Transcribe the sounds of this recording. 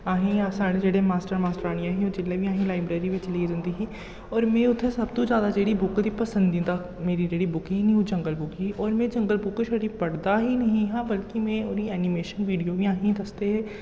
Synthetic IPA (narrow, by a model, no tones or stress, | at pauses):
aːɦĩasaɽd͡ʒeːɽemaːsʈəɾmaːsʈəɾaːɽ̃ijãːɦĩoːd͡ʒɪlːebʱiãːɦĩlaːɪbɾeːɾiʋɪt͡ʃliːd͡ʒə̃nd̪iːɦiː | ɔːɾmẽːʊt̪ʰːesɐbt̪õd͡ʒjaːd̪ad͡ʒeːɽibʊkd̪ipəsə̃nd̪ĩnd̪a | meːɾid͡ʒeːɽibʊkĩɦinĩɦõd͡ʒə̃ŋɡəlbʊkiiʔɔːɾmẽːd͡ʒə̃ŋɡəlbʊkʃəɽipəɽd̪aɦinɐɦĩɦãːbəlkimẽːoːɾiɛːnimeːʃənʋiːɖijoːbiaːɦĩd̪ɐst̪eɦɛː